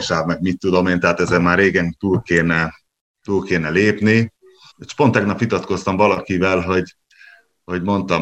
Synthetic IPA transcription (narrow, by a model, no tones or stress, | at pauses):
ʃaːbmɛɡmit̪ːud̪o̞meːnt̪ɛɦaːt̪ɛzɛmaːrːeːɡɛnt̪uːlkeːnɛ | t̪uːlkeːnɛleːpni | eʃpo̞nt̪ɛɡnɒpʋit̪ɒt̪ko̞st̪ɒmvɒlɒkivɛlɦo̞ɟ | ho̞ɟmo̞nt̪ɒm